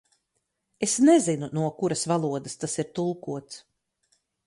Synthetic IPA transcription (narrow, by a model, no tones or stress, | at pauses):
esnɛzinunuɔkuɾasvalˠuɔd̪ast̪asiɾt̪ulˠkuɔt̪s